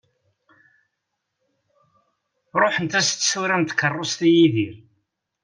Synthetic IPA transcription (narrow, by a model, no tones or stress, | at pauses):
ɾˤoħənt̪æst̪ːsuɾænt̪kːərˤːost̪ijiðiɾ